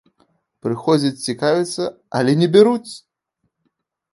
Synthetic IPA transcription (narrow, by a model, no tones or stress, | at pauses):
pɾɨxɔd͡zʲɐt͡sʲt͡sʲikavʲit̪sːɐ | ɐlʲɛnʲɛbʲɛɾut͡sʲ